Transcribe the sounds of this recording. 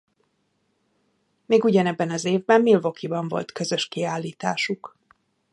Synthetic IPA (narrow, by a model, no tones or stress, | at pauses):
meːɡuɟɒnɛbːɛnɒzeːvbɛmːilvo̞kibɒɱvo̞̰lt̪kø̞zø̞ʃkiaːlːiːt̪aːʃuk